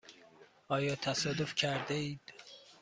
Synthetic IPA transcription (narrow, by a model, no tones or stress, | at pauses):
ɒːjɒːt̪ʰæsɒːd̪ofcʲʰæɾd̪eiːd̪̥